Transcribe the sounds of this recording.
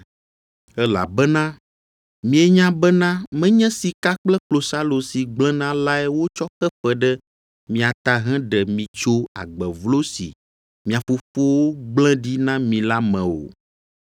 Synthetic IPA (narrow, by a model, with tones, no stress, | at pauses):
ɛ˦la̰˨bɛ˦nã˦ | mĩ˨e˨ɲã˦bɛ˦nã˦mɛ̃˦ɲɛ̃˦si˨ka˦k͡plɛ˦k͡plo˨sa˦lo˨si˨ɡ͡blɛ̃˦nã˦la˦ɛ˦wo˦t͡ʃɔ˦kɛ˦fɛ˨ɖɛ˦ | mĩ˨a˨t̪a˨ɦɛ̃˦ɖɛ˨mĩ˨t͡ʃo˦a̰˨ɡ͡bɛ˨vlo˦sḭ˨ | mĩ˨a˨fo˨fo˦wo˦ɡ͡blɛ̃˦ɖi˦nã˦mĩ˨la˦mɛ̃˨wo̰˨